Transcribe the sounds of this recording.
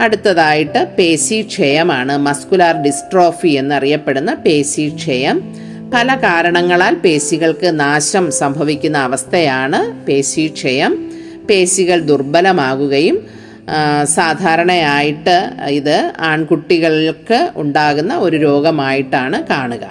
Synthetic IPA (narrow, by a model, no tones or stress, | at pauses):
ɐɽut̪ːɐðaːjiʈːɨpe̞ːsiʂʰejɐmaːɳɨmɐskulaːrɖisʈro̞ːfie̞nːɨɐrijɐpːe̞ɽunːɐpe̞ːsiʂʰejɐm | pɐlɐkaːɾɐɳɐŋːɐɭaːlpe̞ːsiɣɐɭkɨnaːɕɐmsɐmbʱɐʋikʲːunːɐːʋɐst̪ʰɐjaːɳɨpe̞ːsiʂʰejɐm | pe̞ːsiɣɐɭd̪urbɐlɐmaːɣuɣɐjum | saːd̪ʱaːɾɐɳɐjaːjiʈːɨiðɨaːɳkuʈːiɣɐɭilkɨṵɳɖaːɣunːɐo̞ɾuɾo̞ːɡɐmaːjiʈːaːɳɨkaːɳuɣɐ̰